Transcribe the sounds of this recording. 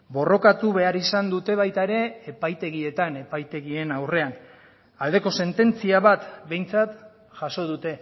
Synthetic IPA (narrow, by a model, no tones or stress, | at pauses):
bo̞ro̞kat̪uβe̞aɾisand̪ut̪e̞β̞ajt̪aeɾe̞ːpajt̪e̞ɣie̞t̪ane̞pajt̪e̞ɣie̞nawre̞an | ald̪e̞ko̞se̞nt̪e̞nt͡siaβat̪be̞jnt͡sat̪ | ʝaso̞ð̞ut̪e̞